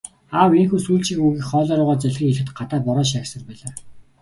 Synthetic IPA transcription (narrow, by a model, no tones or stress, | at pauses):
aːwinxuːsuːɮt͡ɕĭkuɣiːxχɔːɮɔːɾʊːʁaːt͡sæɮxiːkeɮɘ̆t̪ɢat̪aːpɔɾɔːʃ̬aksə̆rpæːɮaː